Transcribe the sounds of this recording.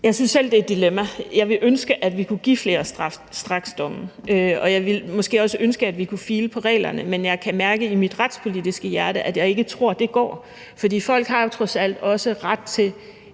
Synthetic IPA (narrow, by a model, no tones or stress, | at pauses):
jɑ̈ɪsynsel̰d̥e̝ed̥ilemæjɑ̈ɪʋe̝ʔønsɡ̥əʔæd̥ʋikʰuɡ̥ḭːfle̝ːɐ̥f | sd̥ʁɑ̈ɡ̥sd̥ɒ̽mʔøɒ̽jɑ̈ɪʋe̝lmɔ̽sɡ̥e̝̰ːɒ̽səʔønsɡ̥əæd̥ʋikʰufiːləpʰɒ̽ʁɛ̰ːlɐ̰nəmenjɑ̈ɪkʰæmæɐɡ̥əimid̥ʁɑd̥spʰo̝lidisɡ̥əjæɐɾəʔæd̥jɑ̈ɪe̝ɡ̥ət͡sʰʁo̝ɐ̰d̥e̝ɡ̥ɒ̰ː | fɒ̽d̥ḭːfɒ̽l̰ɡ̥hɑ̈jot͡sʰʁɒ̽sæl̰d̥ɒ̽səʁɑ̈d̥̚t͡sʰe̝l